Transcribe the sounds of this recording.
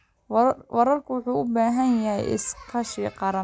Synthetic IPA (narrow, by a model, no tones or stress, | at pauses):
wɐɾɐrkʰʊwʊħuːʊbaːɦɐnjɐhɛ̰jʔɪ̰skʰɐʃiːqɑɾɐ